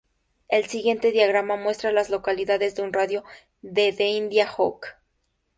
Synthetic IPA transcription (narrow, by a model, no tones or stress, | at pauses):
e̞lsiɣje̞nt̪e̞ðjaɣɾamamwe̞st̪ɾalazlo̞kaliðaðe̞zðeunraðjo̞ | ðe̞ðeind̪jaxo̰k